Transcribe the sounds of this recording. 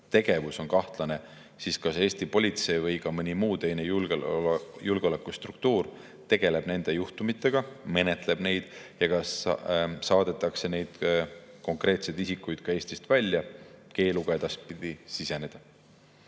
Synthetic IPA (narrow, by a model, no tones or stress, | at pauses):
t̪e̞ɡ̥e̞vuso̞nkɑht̪lɑne̞ | siskɑse̞ːst̪ipo̞lʲit̪se̞jvɤjkɑmɤnʲimuːt̪e̞jne̞ju | julɡ̥eolekːˑust̪rukt̪uːr | t̪e̞ɡ̥e̞le̞b̥ne̞nd̪̥e̞juht̪umit̪ːˑe̞ɡ̥ɑme̞ne̞t̪le̞b̥ne̞jd̪̥jɑkɑssɑːd̪̥e̞t̪ːˑɑkse̞ne̞jd̪̥ | ko̞ŋkre̞ːt̪se̞jd̪isikːˑujd̪̥kɑe̞ːsʲt̪ist̪vælʲjɑke̞ːluɡ̥ɑe̞d̪̥ɑs̚pid̪̥isise̞ned̪̥ɑ